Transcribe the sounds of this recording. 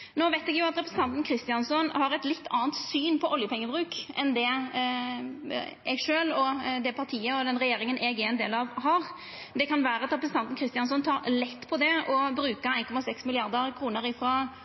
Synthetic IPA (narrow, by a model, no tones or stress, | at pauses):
noːʋeɪt̪ɛɡjʊɑt̪ɾɛpɾəsn̩t̪ɑnt̪n̩kʰɾɪst̪ɪɑnsɔnhɑɾɛt̪lɪt̪ːɑ̰ːənt̪syːnpʰɔʔɔljəpʰɛŋːəbɾʉːkʔɛnd̪ɛ | ɛɡʂøːlɔd̪ɛpʰɑɾt̪ʰiːəɔd̪ɛnɾɛjeːɾɪŋənʔɛɡɛnd̪ḛːlɑʋɦɑɾ | d̪ɛkʰɑnʋæːɾəɑt̪ɾɛpɾəsn̩ɑnt̪n̩kʰɾɪst̪ɪɑnsɔnt̪ʰɑːɾlɛt̪ːpʰɔd̪ɛɔbɾʉːkɑæɪnkʰɔmɑsɛksmɪlɪɑɾd̪əɾkʰɾuːnəɾɪfɾɑ